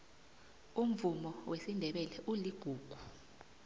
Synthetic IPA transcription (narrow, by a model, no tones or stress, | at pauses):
um̩vumɔwʔesindʱɛɓɛlɛʔuliɡ̥ʱuːɡ̥ʱu